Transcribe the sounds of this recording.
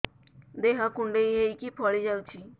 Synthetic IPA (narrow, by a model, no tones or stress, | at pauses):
d̪eɦakuɳɖeiɦejkipʰɔɭid͡ʒawt͡ʃʰi